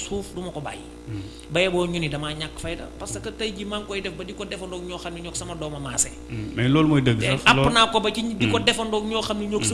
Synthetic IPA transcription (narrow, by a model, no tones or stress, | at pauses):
suːfdumɐkɔba̰ːjḭ | bɐjɛbɔːɲunidɐmaɲakːfɐjdɐ̰pɐsɐkɐtɐjɡimaŋkɔjdɛfbɐdikɔdɛfɐndɔkɲɔːxɐmniɲɔːksɐmɐdɔːmɐmaːsɛ | mɛnlɔːlmɔːjdəɡsɐfɐːnaːkːɔbɐcidikɔdɛfɐndɔːkɲɔːxɐmniɲoksɐ